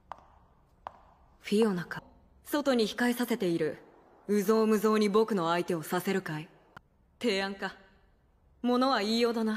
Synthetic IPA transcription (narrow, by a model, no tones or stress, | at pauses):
ɸʲionaka | so̞t̪o̞ɲ̟içi̥kaesase̞t̪e̞iɾɯ̟ | ɯ̟zo̞ːmɯ̟zo̞ːɲ̟ibo̞kɯ̟no̞ait̪e̞o̞sase̞ɾɯ̟kai | t̪e̞ːãŋka | mo̞no̞βaiːjo̞ːd̪ana